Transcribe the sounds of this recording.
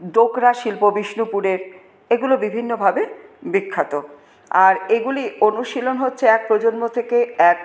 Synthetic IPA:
d̪okɾaʃilpobiʃnupuɾeɾ | eɡulobibʱinːobʱabebikʰːat̪o | aɾeɡulionuʃilonɦotːɕʰeɛk̚pɾod͡ʑonmot̪ʰekeɛk

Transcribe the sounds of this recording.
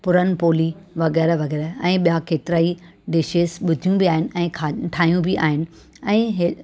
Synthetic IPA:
pʊɾənɪ̆poːli | ʋɐɣɛːɾʋɐɣɛːɾɛ̃ːɓijakeːt̪ɪɾaːi | ɖɪʃeːsɓʊd̪ʱijũbiaːɦɪnɪ̆ɛ̃ːaʈʰaːijũbiʔa̰ːɦɪnɪ̆ | ɛ̃ːɦɪ

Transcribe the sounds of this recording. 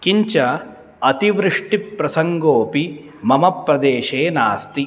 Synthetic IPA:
kiɲt͡ʃɐ | ɐt̪iʋɾɨʂʈipɾɐsɐŋɡoːpi | mɐmɐpɾɐd̪eːʃeːnaːst̪i

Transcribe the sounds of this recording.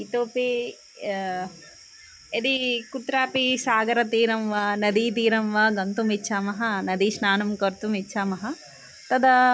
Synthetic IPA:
it̪oːpi | ed̪ikut̪ɾaːpisaːɡɐɾɐt̪iːɾɐmʋɐnɐd̪it̪iːɾɐmʋɐɡɐnt̪umitːʃʰaːmɐɦɐnɐd̪iʃnaːnɐmkɐɾt̪umitːʃʰaːmɐɦɐ | t̪ɐd̪ɐ

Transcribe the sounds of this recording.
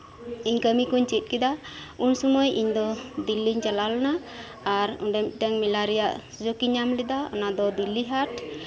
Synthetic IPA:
iɲkəmikuɲt͡ʃit̪̚ˀkid̪aunsɔmɔjiɲd̪ɔd̪ilːiɲt͡ʃalalnaː | ɾṵɖɛmit̪̚ˀʈaŋmilaɾijaʔ | d͡ʒokiɲamlid̪aɔ̰nad̪ɔd̪ilːiɦaʈ

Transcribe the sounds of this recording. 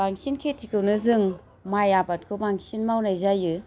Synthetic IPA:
baŋsinkʰetʰikɯwnɯzɯŋ | majabat̚kʰɯmaŋsinmawnajzajɯ

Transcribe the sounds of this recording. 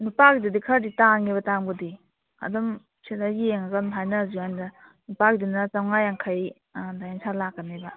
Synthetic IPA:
nupakididikʰɐɾditaŋiβɐtaŋbudi | ɐ̰dɔm | sidajeŋaɡɐnɦʰajnazuanda | nupakdinat͡ʃawŋajaŋkʰaj | dajensalakːɐnebɐ

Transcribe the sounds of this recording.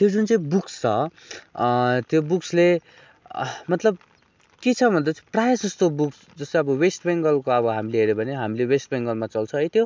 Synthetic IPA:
t̪jod͡zunt͡saĩbukst͡sʰʌ | t̪jobuksle | mʌt̪lʌb̚ | ket͡sʰʌbʱʌnd̪at͡sʰiprajʌsd͡zʌst̪obuks | d͡zʌst̪ʌbʌwesʈbeŋɡʌlkoʌbʌɦamileɦeɾjobʱʌneɦamilewesʈbeŋɡʌlmat͡sʌlt͡sʰʌɦʌjt̪jo

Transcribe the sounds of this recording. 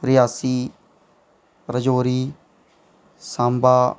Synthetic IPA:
ɾɪjaːsiː | ɾəd͡ʒoːɾiː | sãːmbaː

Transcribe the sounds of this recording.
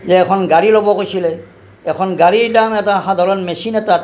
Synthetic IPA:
zɛːkʰɔnɡaɹilobɔkojsilɛ | ɛkʰɔnɡaɹiɹdamɛtaɦad̪ʱaɹɔnmesinɛtat

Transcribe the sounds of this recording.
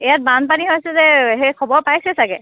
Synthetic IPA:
ɛjat̚banpaniɦojsɛzɛɦɛkʰɔbɔɹpajsɛsaɡɛ

